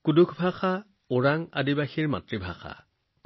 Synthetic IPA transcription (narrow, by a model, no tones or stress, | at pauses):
kudukʰbʱaxa | ʊɹaŋa̰dibaxiɹma̰tɹibʱa̰xa̰ | k